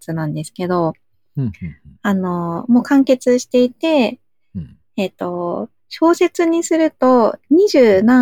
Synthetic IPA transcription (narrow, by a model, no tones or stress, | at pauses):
t͡sɨnãnd̪e̞sɨ̥ke̞d̪o̞ | ano̞mo̞ːkãŋke̞t͡sɨɕi̥t̪e̞it̪e̞ | t̪ːo̞ | ɕo̞ːse̞t͡sɨɲ̟isɨɾɯ̟t̪o̞ɲ̟iʑɨːnã